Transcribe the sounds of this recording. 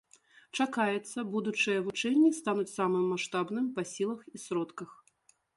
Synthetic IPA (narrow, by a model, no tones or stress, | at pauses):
t͡ʂakajɛt̪sːɐbud̪ut͡ʂɨjɐvut͡ʂɛnʲːist̪anut͡sʲsamɨmːaʂt̪abnɨmpɐsʲilˠɐxisɾɔt̪kɐx